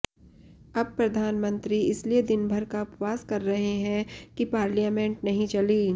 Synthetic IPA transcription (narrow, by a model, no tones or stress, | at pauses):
ɐb̚pɾɐd̪ʱaːnmə̃nt̪ɾiɪslied̪ɪnbʱɐɾkaʊpʋaːskɐɾːɐɦeɦɛ̃kipaːɾlijaːmẽɳʈ̚nɐɦĩt͡ʃɐliː